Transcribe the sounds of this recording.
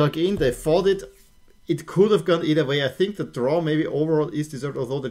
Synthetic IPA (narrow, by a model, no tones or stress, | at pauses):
ʌkɪ̃nðeɪfɔɾɪt | ɪtkʰʊɾəvɡɔ̃niɾəweɪaɪθɪ̃ŋk̚ðədɹɔmeɪbiʔoʊvə˞ɔlˠʔɪzdɨzɜ˞vdɔlˠðoʊðɨ